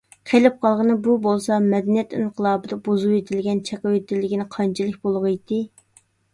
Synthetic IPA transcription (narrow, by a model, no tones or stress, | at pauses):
qʰelɪp̚qʰɑlˠʁənɨbubolˠsɑmɛd̪ɛnijɛt̪ɪɴqʰəlˠɑːbɨd̪ɑbozuwet̪ʰɪlɡʲɛnt͡ʃʰɛqɑwet̪ɪlːɪɡʲinɪqʰɑnt͡ʃʰilˠɨk̚ʲbolˠʁəjd̪ɪ